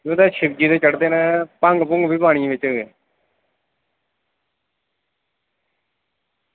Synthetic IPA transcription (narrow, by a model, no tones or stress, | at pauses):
ẽːd̪ɛːʃɪbd͡ʒiːt̪eːt͡ʃəɽd̪eːnɛ̃ːpəŋɡpʊŋɡbʱiːpaːɽ̃ĩʋɪt͡ʃːe